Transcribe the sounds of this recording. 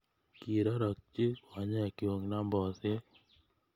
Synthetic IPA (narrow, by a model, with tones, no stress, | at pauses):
ki˨ɾɔ˦ɾɔ˨k̚t͡ʃi˦ɔ˨ɲɛ˦˨ki˨o˨ŋna˦mbɔ˨se˦